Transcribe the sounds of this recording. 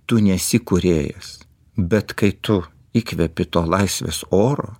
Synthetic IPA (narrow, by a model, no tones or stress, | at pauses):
t̪ʊnʲɛsʲɪkʊɾʲeːjɛ̰s | bʲɛt̪kɐɪt̪ʊ | iːkʲʋʲɛpʲɪt̪oːlˠɐɪsʲʋʲḛːsoːɾo̰ː